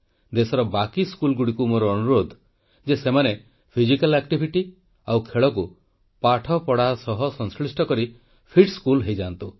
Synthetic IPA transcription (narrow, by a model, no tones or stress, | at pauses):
d̪esɔɾɔbakiskulɡuɽikumoɾɔːnuɾod̪ʱ | d͡ʒesemane | pʰizikalɛkʈibʱiʈi | awkʰeɭɔku | paʈʰɔpɔɽasɔɦɔsɔŋskɭisʈɔkɔɾi | pʰiʈskulɦejd͡ʒant̪u